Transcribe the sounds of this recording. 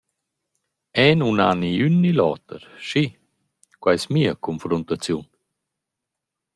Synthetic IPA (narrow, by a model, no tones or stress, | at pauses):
ɛnuna̰niynːilɔ̰ːt̪ə̰ɾʃi | kwajsmiəkɔnfɾɔnt̪at͡sjun